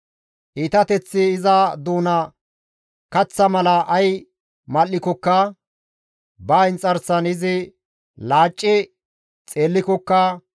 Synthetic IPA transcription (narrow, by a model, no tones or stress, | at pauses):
ʔiːt̪ɐt̪ɛt͡sːɪːzɐd̪uːnɐ | kɐt͡sːɐmɐlɐʔɐj | mɐlːɪkɔkːɐ | baːɪnt͡sʼɐɾsɐnɪzɪ | laːt͡ʃʼːɪ | t͡sʼe̞ːlːɪkɔkːɐ